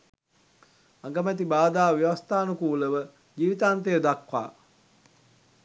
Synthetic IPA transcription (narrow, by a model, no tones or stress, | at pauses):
aŋɡəmæt̪̬ibaːd̪aːʋiʋast̪aːnukuːləʋə | ɡiːʋit̪aːnt̪̬ejəd̪akʋa̰ː